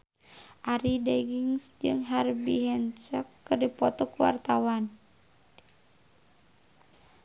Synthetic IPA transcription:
ʔaɾidɛɡiŋsd͡ʒɨŋɦarbiɦɛnt͡ʃəkːərdipɔt̪ɔkuwa̰rt̪awan

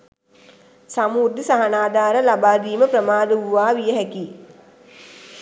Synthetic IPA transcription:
samuːd̪isaɦanaːd̪aːɾəlabaːd̪iːməprəmaːd̪əʋuʋaːʋijəɦɛki

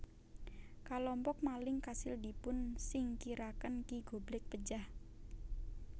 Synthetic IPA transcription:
kalɔmpɔk̚malɪŋkasɪld̪i̤pʊnsɪŋkiɾakənkiɡ̥o̤blɪk̚pə̥d͡ʒah

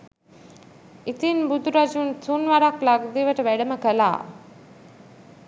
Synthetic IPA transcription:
it̪inbud̪uɾɐd͡ʒunsunʋaɾaklaɡd̪iʋɐʈɐʋæɽɐməkəla̰ː

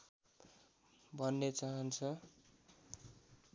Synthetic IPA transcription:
bʱʌnːet͡saɦʌnt͡sʰʌ

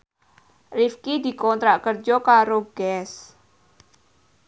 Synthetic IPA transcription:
rifkid̪i̤kɔnt̪ɾaʔkərd͡ʒɔkaɾoɡ̥ɛs

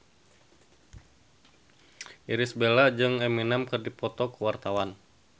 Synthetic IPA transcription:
ʔiɾisbelad͡ʒɨŋɛminamkɨrdipɔt̪ɔkəwart̪awan

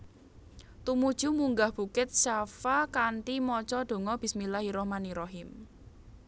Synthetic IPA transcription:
t̪umud̥ʒ̥ṳmuŋɡahb̥ṳkɪt̪̚ʃafakant̪imɔt͡ʃɔɖ̥o̤ŋɔb̥ismilaɦiɾɔhmaniɾɔɦɪm

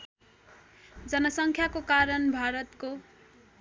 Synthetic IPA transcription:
d͡zʌnʌsʌŋkʰjakokaɾʌnbʱaɾʌt̪ko

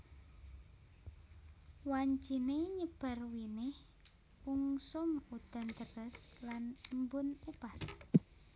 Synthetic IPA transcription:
waɲt͡ʃineɲəb̥a̤rwinɪh | uŋsʊmud̪̥a̤nt̪ərəslanmbʊnupas

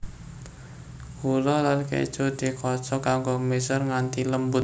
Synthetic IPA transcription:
hulɔlankḛd̥ʒ̥od̪̥i̤kɔt͡ʃɔkaŋɡɔmesɔrŋant̪iləmbʊt̪

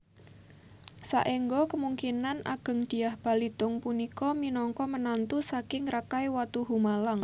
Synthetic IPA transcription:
sa̰ʔeŋɡɔkəmuŋkinanʔa̰ɡ̥ə̤ŋd̪̥i̤ahb̥a̤lid̪ʊŋpunikɔminɔŋkɔmənant̪usakɪŋrakajwat̪uɦumalaŋ

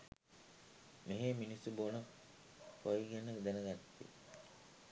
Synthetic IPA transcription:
meɦeminisubonə | kojɡenəkd̪ænəɡat̪ːḭ

